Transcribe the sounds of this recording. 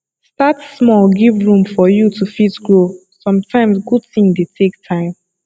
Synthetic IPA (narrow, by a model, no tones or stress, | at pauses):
statsmɔlɡivɹũmfɔjutufitɡɹo | sɔ̃mtʰãɪ̃msɡud̚θĩŋdetʰek̚tʰãɪ̃m